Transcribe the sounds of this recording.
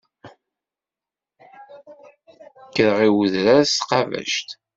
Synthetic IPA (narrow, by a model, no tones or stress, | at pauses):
kːəɾəʁiwəðɾaɾsqɑvæ̰ʃt̪